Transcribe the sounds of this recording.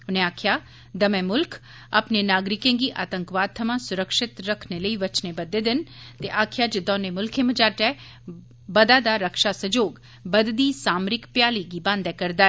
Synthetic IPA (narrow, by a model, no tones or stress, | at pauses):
ʊneaːkʰja | d̪ɐmẽmʊlkʰ | ɐ̰pnenaːɡɾɪkẽŋɡiʔa̰ːt̪əŋkʋaːt̪ʰːəmãsʊɾəkʃɪt̪ɾəkʰneləiʋɐt͡ʃnebɐd̪ːed̪ɪnt̪eʔaːkʰjad͡ʒɪd̪ɔ̃ːnemʊlkʰẽmɐd͡ʒaːɾʈ̪ɛ | bɐd̪ad̪aɾəkʃasəd͡ʒoːɡ | bɐd̪d̪isaːmɾɪkpjaːliɡibãːnd̪ɛkɐɾd̪aːe